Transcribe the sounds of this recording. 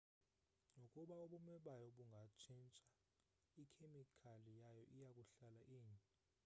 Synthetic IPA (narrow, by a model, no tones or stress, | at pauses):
ŋokʼuɓaoɓumɛɓajɔɓuŋɡʱat͡ʃʰint͡ʃʼa | ikʰemikʰalijajɔʔijakʼuɬalaʔiːni